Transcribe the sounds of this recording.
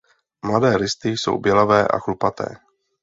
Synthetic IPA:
mladɛːɾɪst̪ɪso̰wbjɛlavɛːʔa̰xlupat̪ɛ̰ː

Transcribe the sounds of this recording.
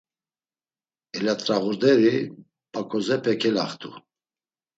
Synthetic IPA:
ɛlat̪ʼɾaɣuɾd̪ɛɾi | pʼakʼɔzɛpʰɛkʰɛlaχt̪ʰʼu

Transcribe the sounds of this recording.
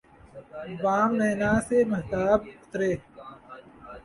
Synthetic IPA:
bãːmneːnaːseːmɐɦt̪aːbʊ̥t̪ɾeː

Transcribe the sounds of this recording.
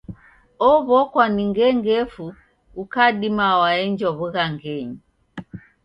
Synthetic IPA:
ɔβɔkwaniŋɡɛŋɡɛfuː | kaɗimawaɛɲd͡ʒɔβuɣaŋɡɛɲi

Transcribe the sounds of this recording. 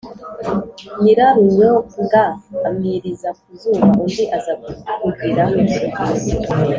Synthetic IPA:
miɾaɾuweoŋɡaːmiɾizak̚uzuβaʔundiʔazakuɡɡwiːɾamuiukasi

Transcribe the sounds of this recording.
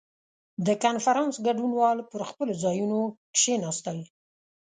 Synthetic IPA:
d̪əkanfaɾɑnsɡaɖunwɑlpəɾxpəlozɑjunokʃenɑst̪ɑwi

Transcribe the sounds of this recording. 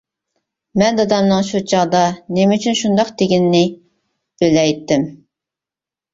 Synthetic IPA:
mɛnd̪ɑd̪ɑmnɨŋʃut͡ʃʰɑʁd̪ɑnemyt͡ʃʰynʃund̪ɑqd̪eɡʲinːɪ | bølɛjt̪ːɪm

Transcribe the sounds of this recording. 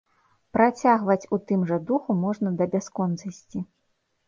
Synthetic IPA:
pɾat͡sʲaɣvɐt͡sʲut̪ɨmʐɐd̪uxumɔʐnɐd̪ɐbʲaskɔnt̪sɐsʲt͡sʲi

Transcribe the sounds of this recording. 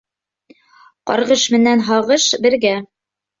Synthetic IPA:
qɒ̰ɾʁɤʃmɘ̆nænɦɑʁɤʃbɘ̆ɾɡæ

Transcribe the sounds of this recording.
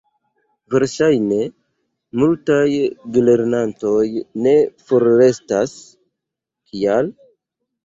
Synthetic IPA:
ve̞ɾʃajne̞ | multajɡole̞ɾnanto̞jne̞foɾːe̞stas | kʰial

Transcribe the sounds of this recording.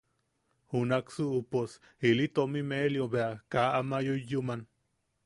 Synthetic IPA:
hunaksuʔupos | hilit̪omimeljobeakaʔamajoːuman

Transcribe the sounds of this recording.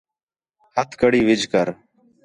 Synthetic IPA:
hət̪ʰkəɽiːʋɪd͡ʒʱkəɾ

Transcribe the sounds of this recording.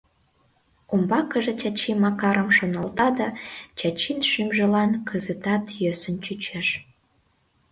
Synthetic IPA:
ombɑkəʒet͡ɕɑt͡ɕimɑkɑɾəmʃonəlt̪ɑd̪ɑt͡ɕɑt͡ɕinʃymʒə̆lɑnkʰəzət̪ɑt̪jøsənt͡ɕyt͡ɕeʃ

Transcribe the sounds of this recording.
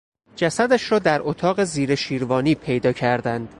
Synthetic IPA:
d͡ʒæsæd̪æʃɾɒːd̪æɾʔot̪ʰɒːɣe̞ziːɾe̞ʃiːɾvɒːniːpʰe̞jd̪ɒːcʰæɾd̪ænd̪̥

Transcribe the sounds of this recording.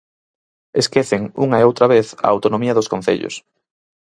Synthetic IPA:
eskeθeŋṵŋɐeowt̪ɾɐβeθɐ̰awt̪onõmiɐðʊskõn̟θḛʎʊ̰s

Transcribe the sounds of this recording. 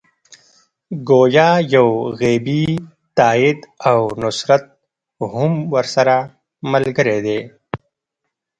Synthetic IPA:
ɡoːjaːjawɣeːbi | t̪aːɪd̪awnʊsɾat̪̚ | hʊmwəɾsɐɾa | məlɡəɾed̪eː

